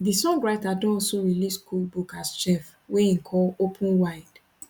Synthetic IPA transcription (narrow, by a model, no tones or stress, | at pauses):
disɔ̃ŋɡɹajtadɔ̃ɔsoɹiliskʰulbukast͡ʃɛf | weĩkʰɔopʰũnwaɪd̥